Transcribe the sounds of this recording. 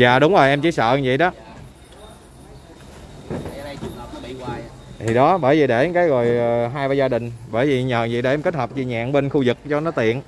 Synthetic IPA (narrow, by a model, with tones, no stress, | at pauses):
zaː˨ɗʊ˨˦wŋ͡mzo˨˩ʔɛ˧mt͡ɕḭ˧˦sə̰ː˧˨zḭ˧˨ɗɔ˨˦˧ | t̪ʰi˨˩ɗɔ˨˦ɓəː˧˩jvi˨˩ɗe˧˩˨kaː˨˦jɣo˨˩jːɦaː˧jvaː˧˩zaː˧ɗï˨˩ŋ̟ɓəː˧˩jvi˨˩ɲəː˨˩zi˧˨ɗe˧˩ʔmke˦˥t̚həː˨˩p̚t͡ɕi˧˩ɲa̰ː˧˨ŋɓe˧nxu˧zɨ˨˩k̚t͡ɕɔ˧nɔ˨˦t̪ḭ˧˨ən